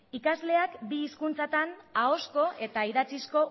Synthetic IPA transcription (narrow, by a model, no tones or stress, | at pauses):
ikazle̞akbiːskunt͡sat̪anao̞sko̞ʔe̞t̪aiðat͡sisko̞